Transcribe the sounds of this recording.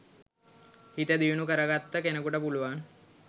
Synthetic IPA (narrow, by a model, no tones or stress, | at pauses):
hit̪əd̪ijunukəɾəɡat̪ːəkenəkuʈəpuluʋan